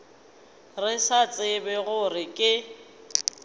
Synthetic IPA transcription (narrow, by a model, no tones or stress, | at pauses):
rɪsat͡sʼɪbɛɣʊrɪkʼɪ